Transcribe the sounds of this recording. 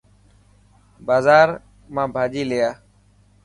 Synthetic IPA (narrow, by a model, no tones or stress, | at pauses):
baːzaːɾ | mãːbʱaːd͡ʒiːleːaː